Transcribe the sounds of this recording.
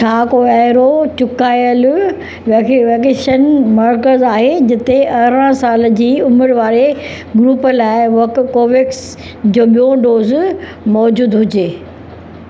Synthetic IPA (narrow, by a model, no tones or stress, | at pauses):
t͡ɕʰaːkoɛɦɾot͡ɕʊkaːjəl | ʋekʋekeːʃənmɐɾkəɾzaːɦed͡ʑɪt̪eʔɐɦɾə̃saːld͡ʑiːʊmɪɽʋaːɾe | ɡɾuːpəlaːɪʋɐkkoːʋɪks | d͡ʑoːɓijõɖoːz | mɔːd͡ʑuːd̪ɦʊd͡ʑeː